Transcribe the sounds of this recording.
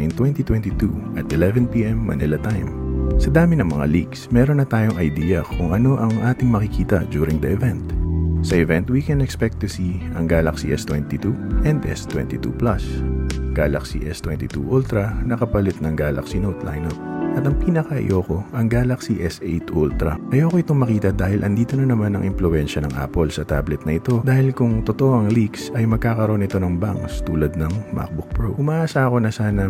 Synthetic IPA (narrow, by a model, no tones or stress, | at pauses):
nt̪wɛnt̪it̪wɛ̃nt̪it̪ṵʔɐt̪ʔɛlɛvɛnpiʔɛmːɐ̰nɪlɐt̪ajmsɐd̪aːmɪnɐŋmɐŋa̰liɡsmɛːɾonːɐt̪aːjoŋɐjd̪iːjɐkʰʊŋʔɐno̞ʔɐŋʔaːt̪ɪŋmɐkɪkʰiːt̪ɐ̰d͡ʒuːɾɪŋd̪ɐʔɛvɛnt̪sɐʔɛvɛnt̪wikɛnɛkspɛk̚t̪ːusi | ɐŋɡaːlɐksḭʔɛst̪wɛnt̪it̪uʔɛnd̪ʔɛ̰st̪wɛ̰nt̪it̪ṵplɐsɡ̥aːlɐ̰ksḭʔɛst̪wɛnt̪it̪ṵʔɔlt̪ɾɐnɐkɐpɐlɪt̪̚nɐŋɡaːlɐ̰ksinowt̪la̰jnot̪̚ʔɐt̪ɐŋpiːnɐkɐʔɐ̰jʔoːko̞ʔɐŋɡaːlɐksiʔɛsʔejt̪ʔult̪ɾɐʔɐjokoɪt̪oŋmɐkiːt̪ɐd̪aːhɪlʔɐnd̪iːt̪onɐnɐmanɐŋʔɪmplʊʔɛnʃɐnɐŋʔa̰ːpolsɐt̪ablɛt̪nɐʔɪt̪o̞d̪aːhɪlkʊŋt̪ot̪oʔoʔɐŋliksɐjmɐɡ̚kːaːkɐɾo̞nɪt̪o̞nɐŋba̰ŋkst̪uːlɐd̪̚nɐŋmʔa̰k̚bʊpɹowʔʊmɐʔaːsaɐko̞nɐsaːnɐ